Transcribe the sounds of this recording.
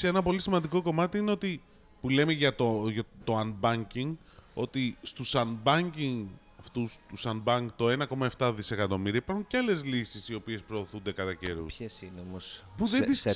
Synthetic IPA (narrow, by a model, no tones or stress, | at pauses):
senɐpo̞lisimɐnd̪iko̞ko̞mɐt̪iineo̞t̪i | pule̞meʝɐt̪oʝɐt̪o̞ɐnbɐɲciŋ | o̞̰t̪ist̪usɐnbɐɲciŋ | ɐft̪ust̪usɐnbɐŋkt̪o̞e̞nɐko̞mɐe̞ft̪ɐðise̞kɐt̪o̞miɾiɐipɐɾxuɲceɐle̞zlisisio̞pie̞spɾo̞ːθund̪e̞kɐt̪ɐce̞ɾṵçesinomospuðeis